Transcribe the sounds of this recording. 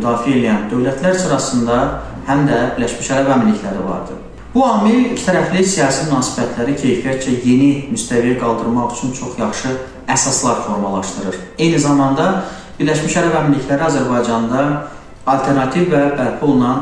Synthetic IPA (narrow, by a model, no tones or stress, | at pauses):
d̪ɑːfie̞lijænd̪ø̞wlæt̪ʰlæɾsɯɾɑsɯnd̪ɑ | hæmd̪æbiɾlæʃmiʃæɾævæminliclæɾivɑ̰ɾd̪ɯ̰ | b̥uɑːmilict̪ʰæɾæflisijɑːsimynɑːsi̥bæt̪ʰlæɾicʰe̞jfijæt̪t͡ʃæje̞nimyst̪ævijæɡɑlˠd̪ɯɾmɑɣyt͡ʃʰynt͡ʃʰo̞χjɑχʃɯ | æsɑslˠɑɾfo̞ɾmɑlˠɑʃd̪ɯɾɯɾe̞jnizɑmɑnd̪ɑ | b̥iɾlæʃmiʃæɾævæminlːiçlæɾiɑzæɾbɑjd͡ʒɑnd̪ɑ | ɑlt̪ʰe̞ɾnɑt̪ʰivːæbælpʰuolˠunɑn